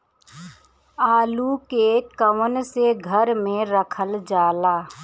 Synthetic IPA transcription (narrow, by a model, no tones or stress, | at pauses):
aːlukekəʋənseɡʱəɾmẽɾəkʰəld͡ʒaːlaː